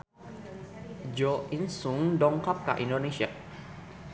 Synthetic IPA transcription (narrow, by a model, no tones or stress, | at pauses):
d͡ʒoʔinsuŋdɔŋkap̚ka̰ʔindonesia